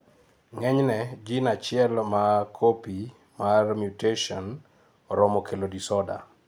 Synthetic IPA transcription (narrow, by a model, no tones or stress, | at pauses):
ŋɛɲnɛd͡ʒinat͡ʃɪɛlmakʰopi | marmjuteʃɔn | ɾɔmokʰelodisɔda̰